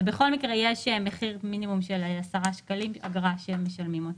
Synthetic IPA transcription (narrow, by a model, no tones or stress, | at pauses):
beχo̞lmikʁejeʃemeχiʁminimumʃeleasaʁaʃkalima̰ɡʁaʃeeme̞ʃalmimot̪